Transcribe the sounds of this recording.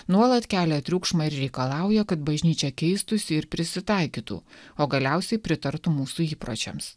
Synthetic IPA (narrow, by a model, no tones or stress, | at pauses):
nuɔlˠɐt̪kʲæːlʲɛt̪ʲɾʲuːkʃmɑɪɾɾʲɛɪkɐlˠɑˑʊjɛkɐt̪bɐʒʲnʲiːt͡ʃʲɛkʲɛɪst̪ʊsʲɪɪɾpʲɾʲɪsʲɪt̪ɑˑɪkʲiːt̪ṵːoːɡɐlʲɛʊsʲɛɪpʲɾʲɪt̪ɐɾt̪umuːsuiːpɾo̰ːt͡ʃʲɛ̰ms